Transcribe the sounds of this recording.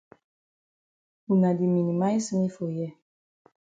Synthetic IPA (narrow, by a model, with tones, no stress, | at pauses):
u˨na˨di˨mi˨ni˨ma˦i˦smi˦fo˨jɛ˦˨